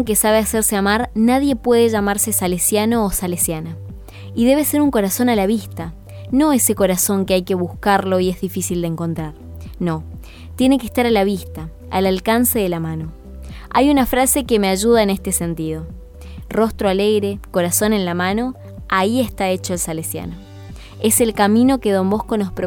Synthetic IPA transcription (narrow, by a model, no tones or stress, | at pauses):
ŋkesaβeaseɾseamaɾnaðje̞pweð̞eʒamaɾse̞salesjano̞ːsalesjana | iðe̞β̞e̞se̞ɾuŋko̞ɾaso̞nalaβist̪a | no̞e̞se̞ko̞ɾaso̞ŋkeajke̞β̞uskaɾlo̞ie̞zðifisild̪eŋko̞nt̪ɾaɾ | no̞ | t̪jene̞kest̪aɾalaβist̪a̰ː | lalkanseðelamãno̞ | a̰junafɾase̞keme̞aʒuð̞aenest̪e̞se̞nt̪ið̞o̞ | ro̞st̪ɾoaleɣɾe̞ko̞ɾaso̞ne̞nlamano̞ | aie̞st̪ae̞t͡ʃo̞elsalesja̰no | e̞se̞lkamĩno̞ke̞ðo̞mbo̞hko̞nospɾo